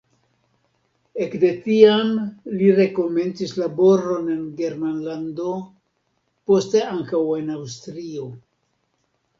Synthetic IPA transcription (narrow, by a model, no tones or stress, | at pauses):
e̞kde̞tiamliɾe̞ko̞me̞nt͡sislabo̞ɾo̞ne̞nɡe̞ɾmanlando | po̞ste̞aŋkawe̞nawstɾio̞